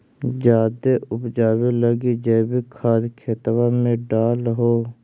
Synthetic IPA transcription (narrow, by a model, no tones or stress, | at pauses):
d͡ʒaːd̪eʔʊpd͡ʒaːweləɡid͡ʒɛːbikʰaːɾkʰeːt̪ʋamẽɖaːlɦoː